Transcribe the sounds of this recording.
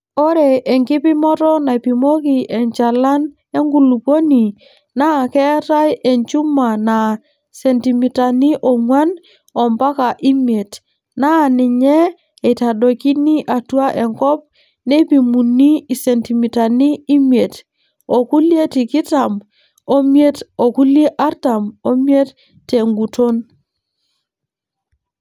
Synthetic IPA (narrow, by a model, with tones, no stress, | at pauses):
o˦ɾe˨ʔe˨ŋki˦pi˦mɔ˦tɔ˦na˨pi˨mo˦ki˨ʔɛ˨ɲt͡ʃa˨la˦n | e˦ŋɡu˨lu˨po˦ni˨ | na˦˨kɛ˦ta˦jʔe˨ɲt͡ʃu˦ma˨na˨ | se˨nti˨mi˨ta˨ni˦ʔo˨ŋwa˦n | ɔ˨mba˦ka˨ʔi˦mje˨t | na˦˨nɪ˨ɲɛ˦ | e˨ta˨ɗo˨ki˦ni˦ʔa˨tu˦a˦ʔe˨ŋkɔ˦p̚ | ne˦bi˨mu˨nːi˦i˨se˨nti˨mi˨ta˨ni˦i˦mie˨t | o˨ku˦lje˦ti˨ki˦ta˨m | o˦mje˦to˨ku˦lje˦ʔa˦ɾta˨mo˦mje˦tː | e˨ŋɡu˨to˦n